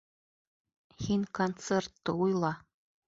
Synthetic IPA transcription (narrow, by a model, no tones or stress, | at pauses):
hinʲkont̪sert̪ːɤujlˠɑ